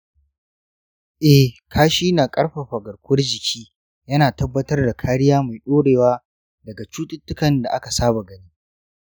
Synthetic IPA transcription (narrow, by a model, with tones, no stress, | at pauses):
ʔɛ˨hkʰaː˦ʃiː˦na˨kʼɐ˦ɽɸa˨ɸa˨ɡɐ˨ɽkʷʊ˦ɐ˦rd͡ʒɪ˨kʲʰiː˦ | jɐ˦naː˨tɐ˦bːɐ˦tɐ˦rda˨kʰaː˦ɽɪ˦jaː˦ma˨jɗoː˦ɽeː˨waː˦ | dɐ˨ɡa˨t͡ʃuː˦tʼɪ˦tːʊ˦kɐ˨nda˨ʔa˦ka˨saː˦ba˨ɡɐ˦niː˦